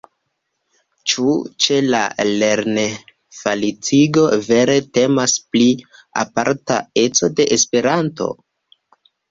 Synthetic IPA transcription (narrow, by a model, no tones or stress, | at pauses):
t͡ʃut͡ʃe̞la̰le̞ɾne | falit͡siɡo̞ve̞ɾe̞te̞masplia̰paɾta̰e̞t͡so̞de̞ʔespe̞ɾanto̞̰